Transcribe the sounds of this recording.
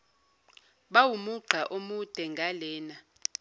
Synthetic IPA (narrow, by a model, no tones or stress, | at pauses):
ɓawumuǃʱaʔomud̥ʱɛŋɡʱalɛːna